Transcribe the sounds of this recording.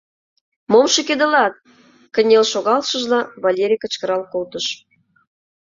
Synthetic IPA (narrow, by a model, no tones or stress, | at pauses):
momʃɤ̆ked̪ə̆lɑt̪̚ | kə̆nʲelʃoɣɑlʃə̆ʒlɑβɑlʲeɾʲijkə̆t͡ɕkə̆ɾɑlkolt̪ə̆ʃ